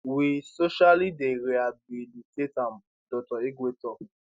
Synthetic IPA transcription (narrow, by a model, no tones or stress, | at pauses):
wisoʃalideɾeabilitetãm | d̥ɔtɔiɡetɔ